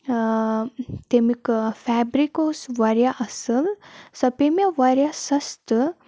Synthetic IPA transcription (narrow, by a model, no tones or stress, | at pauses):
t̪emikfɛbɾikosʋaɾjaʔəsəlsɐpemjaʋaɾjasɐst̪